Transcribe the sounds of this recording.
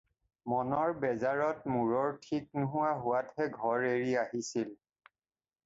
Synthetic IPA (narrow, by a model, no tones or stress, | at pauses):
mɔnɔɹbɛzaɹɔtmuɹɔɹtʰik̚nʊɦʊwaɦʊwathɛɡʱɔɹeɹiaɦisil